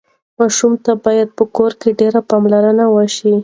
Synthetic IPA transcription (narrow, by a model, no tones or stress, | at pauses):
mɑʃumt̪abɑjad̪̚pəkoɾkeɖeɾapɑmlaɾənawəʃi